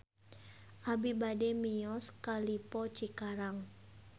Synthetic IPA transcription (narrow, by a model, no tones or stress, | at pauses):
ʔabibadɛmijɔskalipɔt͡ʃikaɾaŋ